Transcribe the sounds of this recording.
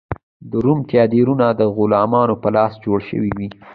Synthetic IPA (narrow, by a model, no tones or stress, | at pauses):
d̪əɾumt̪jɑd̪eɾunad̪əɣʊlɑmɑnopəlɑsd͡ʒoɽʃə̰wiwi